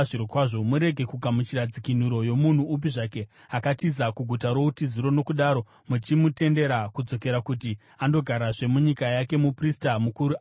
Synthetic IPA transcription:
ʐiɾokwaːʐo̞muɾe̞ɡʱe̞kuɡʱamut͡ʃiɾad͡zikin̤uɾo̞jo̞mun̤uːp̬iʐaːke̞ | akatiz̬akuɡʱutaɾo̞utiziɾo̞no̞kuɗaːɾo̞ | mut͡ʃimute̞nde̞ɾakud͡zo̞ke̞ɾakuti | ando̞ɡʱaɾaʐe̞muɲikajake̞mupristamukuɾu

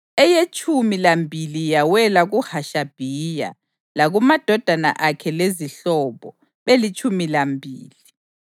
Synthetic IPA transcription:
ɛjet͡ʃʼumilambʱilijawɛlaɣuhaʃab̥ʱija̰ | laɣumad̥ʱɔd̥ʱana̰ʔakʰɛleziɬɔβɔ | βelit͡ʃʼumilambʱiːli

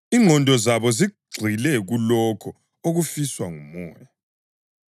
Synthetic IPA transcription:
iŋʱɔndʱɔzaβɔziɡ͡ǀʱilɛɣulɔkʰɔ | oɣufiswaŋumɔ̰ːja

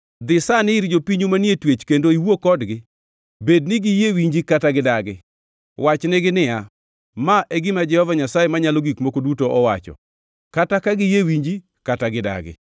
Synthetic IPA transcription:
d̪ɪsanɪiɾd͡ʒopiɲumanjetwet͡ʃkendoiwokɔdɡɪ | bednɪɡɪjewiɲd͡ʒikataɡɪdaɡɪ | wat͡ʃnɪɡɪnɪja | maʔeɡɪmad͡ʒɛhɔvaɲasajemaɲaloɡikmokodutoʔɔwa̰t͡ʃɔ̰ | katakaɡɪjewiɲd͡ʒi | kataɡɪda̰ɡɪ̰

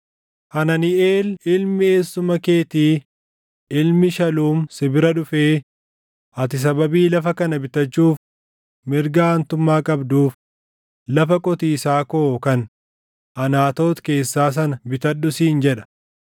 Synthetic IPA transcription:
hɐnɐnɪʔeːlɪlmɪeːsːʊmɐke̞ːt̪iː | ɪlmɪʃɐluːmsɪbɪɾɐᶑʊfeː | ɐt̪ɪs̬ɐbɐbiːlɐfɐkɐnɐbɪt̪ɐt͡ʃːuːf | mɪɾɡant̪ʊmːaːkʼɐbd̪uːf | lɐfɐkʼɔt̪iːsaːkoːkɐn | ʔɐnaːt̪o̞ːt̪ke̞ːsːaːs̬ɐnɐbɪt̪ɐɗːʊsiːnd͡ʒɛᶑɐ̥

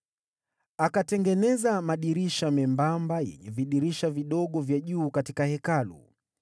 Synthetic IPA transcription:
akatɛŋɡɛnɛzamaɗiɾiʃamɛmbambajɛ̰ɲɛviɗiɾiʃaviɗɔɠɔvjaʄuːkatikahɛkalṵ

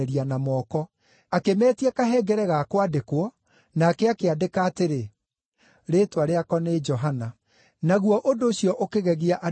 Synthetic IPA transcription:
ɾianamɔːkɔ | akemɛːtiɛkaɦɛɡɛɾɛɣakwadekwɔ | naːkɛakeadekaːteɾe | ɾeːtwaɾeakɔned͡ʒɔɦana | naɣwɔʔodoːɕjɔʔokeɣɛɣeaʔa

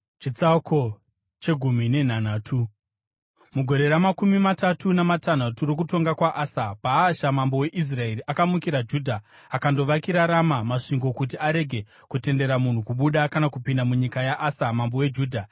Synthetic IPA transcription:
t͡ʃit͡sako̞ | t͡ʃe̞ɡʱum̤ine̞n̤an̤aːtʰu | muɡʱo̞ɾe̞ɾamakumimatatunamatan̤aturo̞k̬uto̞ŋɡakwaʔaːsapaːʃamambo̞we̞ʔis̬rae̞riʔakamukiɾad͡ʒuːdʱaː | kando̞ʋakiɾaɾamamaʂiŋɡo̞kut̬iaɾe̞ɡʱe̞ | kute̞nde̞ɾamun̤ukuɓuɗakanakupindamuɲikajaʔasamambo̞we̞d͡ʒuːdʱa

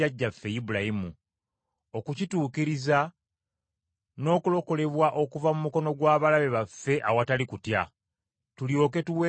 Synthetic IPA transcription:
aɟːafːe̞jibulajimu | o̞kucituːkiɾiza | no̞ːkulo̞ko̞le̞βwaʔo̞kuvamumuko̞no̞ɡwaːβalaβe̞βafːe̞ʔawatalikutja | tuljo̞ːke̞tuwe

